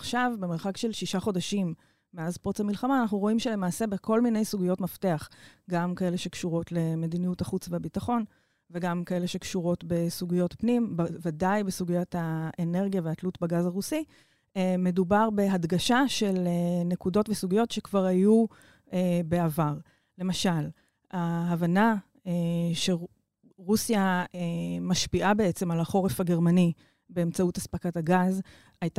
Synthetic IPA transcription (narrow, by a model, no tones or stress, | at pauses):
aχʃavbe̞meʁχakʃe̞lʃiʃaχo̞daʃimː | eazpot͡samilχamaːnaχnuʁo̞imʃele̞maːse̞beko̞lmine̞jsuɡijo̞tmafte̞aχɡamkae̞leʃe̞kʃuʁo̞tle̞me̞dinijutaχut͡sveabitaχo̞n | veɡamkae̞le̞ʃekʃuʁo̞tbe̞suɡijo̞tpnimbvadajbesuɡijothaene̞ʁɡijaveatlutbaɡazaʁusi | eme̞dubaʁbe̞ɦadɡaʃaʃe̞lene̞kudo̞tvesuɡijo̞tʃe̞kvaʁaju | ebe̞avaʁ | le̞maʃal | aɦːvana | eʃe | ʁusijaemaʃpiʔabe̞et͡se̞malaχo̞ʁefaɡe̞ʁmani | be̞emt͡sautaspakataɡaz | ajt